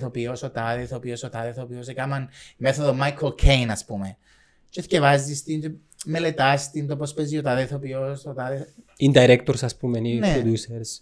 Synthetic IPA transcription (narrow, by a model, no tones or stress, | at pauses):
θopiosot̪ɐðeθopiosot̪ɐðeθopiosekamɐnmeθoðomajkʰolkʰejnɐspume | t͡ʃescevɐzd̪ist̪in | melet̪ɐst̪int̪opospeziot̪ɐðeθopiosot̪ɐðeind̪aiɾekt̪oɾsɐspumenineod̪useɾs